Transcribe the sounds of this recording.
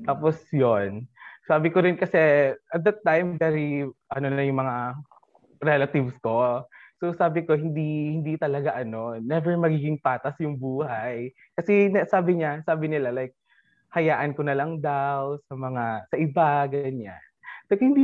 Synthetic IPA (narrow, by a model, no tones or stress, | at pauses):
t̪aːposjonsaːbɪkoɾɪnkɐsɛʔɐt̪̚d̪ɐt̪ːajmbɛɾiʔɐno̞nɐjʊŋmɐŋa | ɾɛlɐt̪ɪvsko̞sosaːbɪkohɪnd̪ihɪnd̪it̪ɐlɐɡaʔɐno̞nɛvɛɹmɐɡiːɡɪŋpaːt̪ɐsjʊŋbuːhaj | kɐsɛnɐsaːbɪɲasaːbɪnɪlalajk̚ | hɐjaːʔɐnkonɐlɐŋd̪awsɐmɐŋasɐʔɪbaɡɐɲa̰nɐkhɪnd̪i